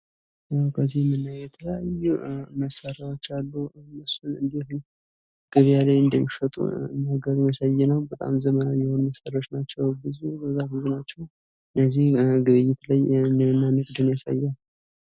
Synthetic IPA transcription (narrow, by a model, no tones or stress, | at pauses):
kʰəzːihmːɨnːajɛt̪ʰələjajuməsaɾawot͡ʃːalːunːɨsunɨnd̪et̪n | ɡ̥ɨβjalajɨnd̪əmːifət̪ʼṵɨnːaɡəɾmjasajːɛnəwbət̪ʼa̰mzəmənawjɛhonməsaɾaot͡ʃnat͡ʃːɛwbɨzubəzːahɨzunat͡ʃːɛw | ɨnːəzːihɡɨβɨjːɪt̪lajɨnd̪əmɨnːanəkʼd̪ɨnjasa̰jːɛn